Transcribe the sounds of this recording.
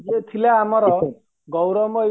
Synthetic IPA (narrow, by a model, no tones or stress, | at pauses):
jet̪ʰileamɔɾɔ | ɡɔwɾɔmɔ